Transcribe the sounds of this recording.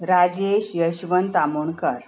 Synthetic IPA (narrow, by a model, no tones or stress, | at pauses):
ɾad͡ʑeɕjəɕʋənt̪amuɳkəɾ